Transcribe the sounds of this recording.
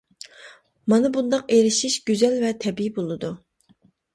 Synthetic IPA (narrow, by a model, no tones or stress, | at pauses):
mɑnɨbund̪ɑqeɾɪʃiʃɡ̥ʲyzɛlvɛt̪ʰɛbibolˠɨd̪u